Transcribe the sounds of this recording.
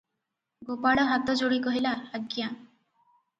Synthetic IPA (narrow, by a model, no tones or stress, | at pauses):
ɡopaɽɔɦat̪ɔd͡ʒoɽikɔɦilaːɡja